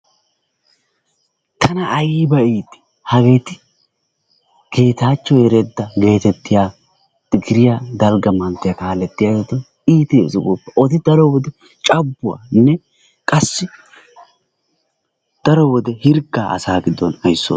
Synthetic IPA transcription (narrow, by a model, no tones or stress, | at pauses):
t̪ʰɐnɐːjibɐiːt̪ɪ̥ | hɐɡe̞ːt̪ɪ | ɡ̥e̞ːt̪aːt͡ʃːɔjɛɾed̪ːɐɡe̞ːt̪ɛt̪ːɪjaː | t̪ɪɡɪɾɪjaːd̪ɐlɡɐmɐnt̪ːɪjakaːlɛt̪ːɪjaːjet̪ɔn | iːt̪esɪɡoːpːɛʔɔt̪ɪd̪ɐɾɔwɔd̪ɛ | t͡ʃʼɐbːʊwa̰ːnɛ | kʼɐsːɪ | d̪̥ɐɾɔwɔd̪ɛhɪɾɡaːɐ̰saːɡɪd̪ːɔnɐjsːo̰